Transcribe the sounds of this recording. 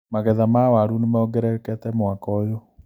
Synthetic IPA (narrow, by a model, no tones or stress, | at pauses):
maɣɛðamawaɾunemaoɡɛɾɛkɛtɛmwakɔjo